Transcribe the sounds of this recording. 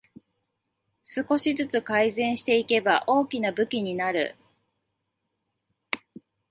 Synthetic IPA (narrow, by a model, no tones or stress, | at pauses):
sɨko̞ɕizɨt͡sɨkaizẽ̞ɰ̃ɕi̥t̪e̞ike̞baʔo̞ːkʲinabɯ̟kʲiɲ̟inaɾɯ̟̰